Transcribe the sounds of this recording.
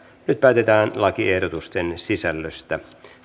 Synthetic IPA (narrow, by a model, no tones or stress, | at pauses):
nyt̪̚pæːt̪et̪æːnlɑkiehdot̪ust̪ensisælːøst̪æ